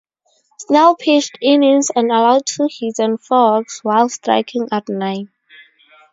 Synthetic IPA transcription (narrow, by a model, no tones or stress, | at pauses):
snɛlpʰestɪnɪnzãnəlaʊd̚tʰuhizə̃nfɔɡswaɪlˠstɹa̰ɪkʰɪ̃ŋatnaɪn